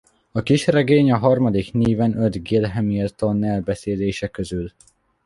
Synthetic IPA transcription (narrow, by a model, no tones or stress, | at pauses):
ɒkiʃrɛɡeːɲɒɦɒrmɒd̪ikniːvɛnød̪ɡilɦɛmilt̪onːɛlbɛseːleːʃɛkøzyl